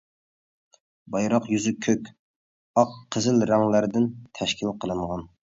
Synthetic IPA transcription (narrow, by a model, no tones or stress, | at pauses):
bɑjɾɑqjyzykʲʰøkʲ | ɑqʰːəzɪlɾæŋlæɾd̪ɪnt̪ʰɛʃkʲʰilqʰəlˠɨɴʁɑn